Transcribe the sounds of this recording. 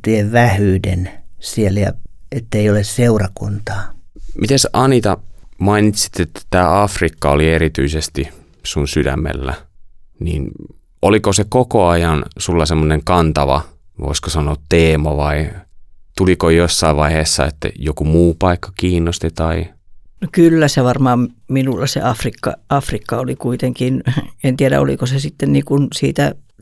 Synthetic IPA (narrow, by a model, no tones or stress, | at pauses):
t̪ieʋʋæhyːdensieljɑ̰et̪ːeiolesseurɑkunt̪ɑːmʔit̪æsʔɑnit̪ɑmɑinit̪si̥t̪ːet̪ːæ̥t̪æːɑfrikːɑolieɾit̪yisest̪i | sunsydæ̰mːḛlːæ̰nḭːn | olikosekokoɑjɑnsulːɑsemːoneŋkɑnt̪ɑʋɑ̰ʋo̰iskosɑnoːt̪t̪eːmɑʋɑi | t̪ulikojosːɑiʋʋɑiheːsːɑḛt̪ːæ̰jokumuːpɑikːɑ̥kiːnːost̪et̪ɑi | nokylːæseʋɑrmɑːmminulːɑsḛʔɑfrikːɑ̰ɑfrikːɑolikuit̪eŋkinent̪iæɾæ̰o̰lḭkosesit̪ːenniːkunsḭːt̪æ